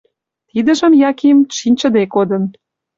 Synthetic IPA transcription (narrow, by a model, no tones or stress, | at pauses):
t̪id̪ə̆ʒə̆mjɑkimʃinʲt͡ɕə̆d̪ekod̪ə̆n